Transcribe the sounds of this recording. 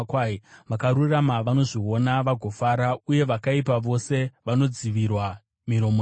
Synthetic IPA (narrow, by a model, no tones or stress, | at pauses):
kaʋakaɾuramaʋano̞ʐio̞naʋaɡʱo̞faːɾauje̞ʋakaipaʋo̞se̞ʋano̞d͡ziʋirwa | miɾo̞mo